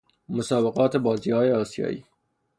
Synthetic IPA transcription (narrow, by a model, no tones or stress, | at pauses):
mosɒːbeɣɒːt̪ʰebɒːziːhɒːjeɒːsijɒ̰ːʔḭː